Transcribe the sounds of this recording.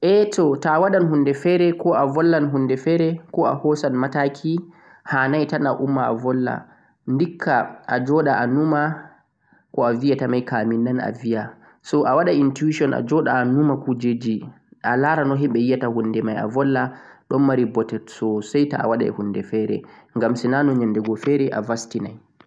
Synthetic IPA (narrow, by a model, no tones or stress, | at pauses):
ʔɛtɔtawaɗanhundɛfɛɾɛkɔʔavɔlːanɦundɛfɛɾɛkɔa̰hɔsanmatakʰi | hanajtanaʔumːaa̰vɔlːa̰ | ndikʰːaad͡ʒɔɗaʔanuma | kɔavijatamajkaminːana̰vija | sɔʔawaɗaintuiʃɔnʔa̰d͡ʒɔɗaːnumakud͡ʒed͡ʒi | ʔalaɾanɔɦimɓɛjijatahundɛmaja̰vɔlːaɗɔnmaɾibɔtɛdsɔsajta̰a̰waɗa̰ɛ̰hundɛfɛɾɛ̰ŋɡamsinanɔɲandɛɡɔfɛɾɛʔa̰vastinaj